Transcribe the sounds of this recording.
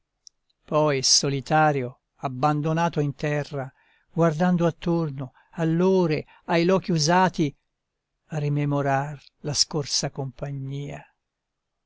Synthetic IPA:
pɔjsolit̪aːɾjo | abːand̪onaːt̪oint̪ɛrːa | ɡward̪and̪oat̪ːorno | alːoːɾe | ajlɔːk̟iuzaːt̪i | arimemoɾar | laskorsakompaɲːiːa

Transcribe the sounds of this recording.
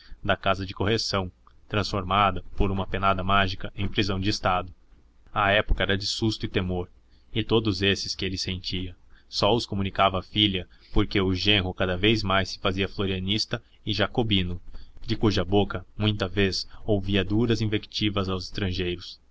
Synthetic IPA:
d̪ɐkazɐd͡ʒɪkohesɐ̃w̃ | t̪ɾɐ̃sfoɾmad̪ɐpoɾũmɐpenad̪ɐmaʒikɐẽj̃pɾizɐ̃w̃d͡ʒɪːst̪ad̪ʊ | ɐɛpʊ̥kɐɛɾɐd͡ʒɪsust̪ʊɪt̪emoɾ | ɪt̪od̪ʊzesɪskɪelɪsẽnt͡ʃiɐsɔʊskomũnikavɐːfiljɐpoɾkeʊʒẽɦʊkad̪ɐvejzmajsːɪ̥faziɐfloɾiɐnist̪ɐ | ɪʒakobĩnʊd͡ʒɪkuʒɐbokɐmũj̃t̪ɐvezowviɐd̪uɾɐzĩvekt͡ʃivɐzawzɪst̪ɾɐ̃ʒejɾʊs

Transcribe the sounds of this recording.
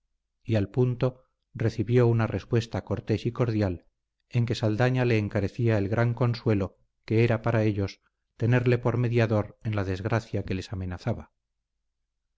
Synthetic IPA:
ialpunt̪o̞ | re̞θiβjo̞unarespwe̞st̪ako̞ɾt̪e̞siko̞ɾðjal | e̞ŋke̞sald̪aɲale̞ːŋkaɾe̞θiae̞lɣɾʔaŋko̞nswe̞lo̞ | ke̞eɾapaɾae̞ʎo̞s | t̪e̞ne̞ɾle̞po̞ɾme̞ðjaðo̞ɾenlaðe̞zɣɾaθjake̞le̞same̞naθaβa

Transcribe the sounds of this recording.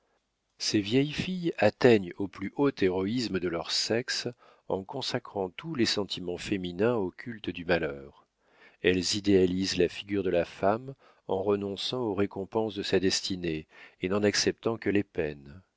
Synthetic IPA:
sevjɛjfijat̪ɛɲoplyʔot̪eʁɔisməd̪əlœʁsɛks | ɑ̰̃kɔ̃sakχɑ̃t̪ulesɑ̃t̪ʰimɑ̃feminɛ̃okʲʰylt̪əd̪ymalœːʁ | ɛlzid̪ealizlafiɡʲyʁd̪əlafam | ɑ̰̃ʁənɔ̃sɑ̃oʁekɔ̃pɑ̃sd̪əsad̪ɛst̪ineːnɑ̃naksɛp̚t̪ɑ̃kəlepɛn

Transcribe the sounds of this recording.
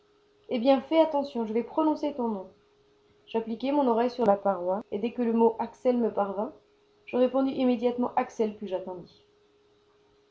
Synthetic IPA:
ebjɛ̃fɛat̪ɑ̃sjɔ̃ʒəvɛpχɔnɔ̃set̪ɔ̃nɔ̃ | ʒ̥aplikʲɛmɔ̃nɔʁajsyʁlapaʁwaed̪ɛkələmoʔaksɛlməpaʁvɛ̃ | ʒ̥əʁepɔ̃d̪yʔimed̪jat̪mɑ̃ʔaksɛlpɥiʒat̪ɑ̃d̪i

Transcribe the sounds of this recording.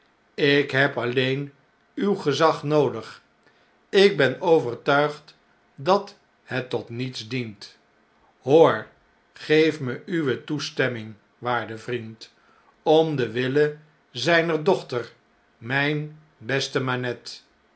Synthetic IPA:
ɪkɦɛpɑlejn | ywχəzɑχnowdəχ | ɪɡ̚bɛnowvəɹtœɥχt | dɑt | hɛtːɔtnitsdint | ɦoːɹ | χejfməyʋətustɛmɪŋ | ʋaːɹdəvrint | ɔmdəʋɪlə | zɛjnəɹdɔχtəɹ | mɛjn | bɛstəmanɛt

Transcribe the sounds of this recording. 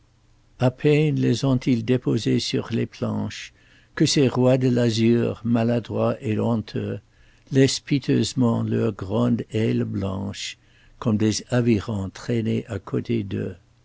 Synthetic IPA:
apʰɛnlezɔ̃t̪ʰild̪epozesy̰ʁleplɑ̰̃ʃ | kəseʁwad̪əlazyʁmalad̪ʁwaʔelɔ̃t̪ʰø | lɛspit̪ʰøzmɑ̃lœ̰ʁɡʁɑ̃d̪ɛlblɑ̃ʃ | kɔmd̪ezaviʁɑ̃t̪χɛneʔakʰot̪ʰed̪ø̰

